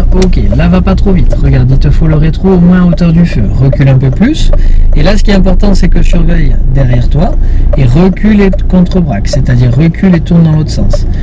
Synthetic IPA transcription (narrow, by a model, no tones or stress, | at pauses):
okʲelavapat̪χovit̪ʁəɡaʁd̪it̪əfoləʁet̪χoːmwɛ̃aot̪œʁd̪yfø̰ʁəkʲylɛ̃pøplyselasə̥kʲiɛt̪ɛ̃pɔʁt̪ɑ̃sɛkəsyʁvɛjd̪ɛʁjɛʁt̪waeʁəkʲʰylekɔ̃t̪χəbʁakset̪ad̪iʁːəkʲʰylet̪uʁnd̪ɑ̃lot̪χə̥sɑ̰̃s